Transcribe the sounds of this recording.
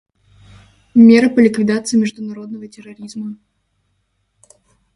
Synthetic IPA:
mʲeɾɨpəlʲɪkvʲɪd̪at̪sɨjmʲɪʐd̪ʊnɐɾo̞d̪nəvətʲɪrɐɾʲizmə

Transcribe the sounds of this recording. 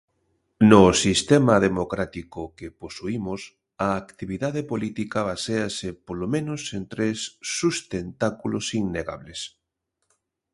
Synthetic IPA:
nʊsist̪ɛmɐðemokɾat̪ikokeposuimʊs | ɐːkt̪iβiðaðepolit̪ikaβaseasepolomẽnʊsent̪ɾesːust̪ent̪akulosiŋneɣa̰βles

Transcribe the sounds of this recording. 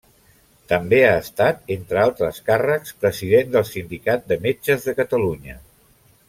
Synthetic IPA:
t̪əmbeaəst̪at̪ent̪ɾəalˠt̪ɾəskarəkspɾəziðend̪əlˠsind̪ikat̪̚d̪əmed͡ʒəzðəkət̪əluɲə

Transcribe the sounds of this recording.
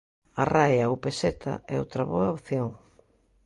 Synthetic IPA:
arajɐopeset̪ʰa̰ɛ̰owt̪ɾɐβoɐopθjoŋ

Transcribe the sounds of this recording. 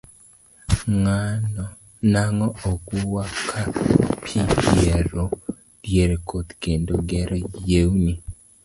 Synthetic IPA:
ŋanɔ | naŋɔɔɡuwakʰapʰideɾo | djeɾekʰot̪kendoɡɛɾɔjewni

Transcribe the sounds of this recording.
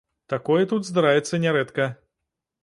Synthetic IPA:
t̪akɔjɛt̪ut̪zd̪aɾavʲɛt̪sːɐnʲɛɾɛt̪kɐ

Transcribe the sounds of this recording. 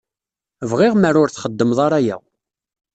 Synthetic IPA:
vʁɪʁməɾʊɾθχəd̪ːəmðˤɑɾæjæ̰

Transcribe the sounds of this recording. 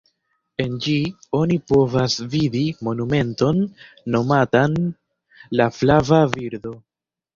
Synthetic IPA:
e̞nd͡ʒio̞nipo̞vasvidimo̞nume̞nto̞nː | o̞matan | laflavaviɾdo̞

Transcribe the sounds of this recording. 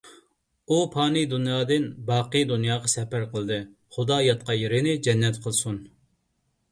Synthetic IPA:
upʰɑːnɨd̪unjɑːd̪ɨnbɑːqəd̪unjɑːʁɑsɛpæɾqʰəlˠɨd̪ɨ | χʊd̪ɑjɑt̪̚qɑjeɾɪnɪd͡ʒɛnːɛt̪qʰəlˠsun

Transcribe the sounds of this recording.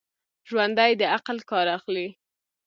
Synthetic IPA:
ʒwand̪ajd̪əaqlkɑɾaxli

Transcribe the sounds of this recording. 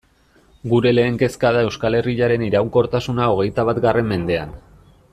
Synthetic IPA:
ɡuɾe̞le̞ːŋke̞skað̞ae̞wskale̞riʎaɾe̞niɾawŋko̞ɾt̪asunao̞ɣ̞e̞jt̪aβ̞at̪ɡare̞mme̞nd̪e̞a̰n

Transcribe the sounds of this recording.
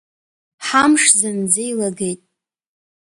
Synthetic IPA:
ħamʂzand͡zejlaɡe̞jtʼ

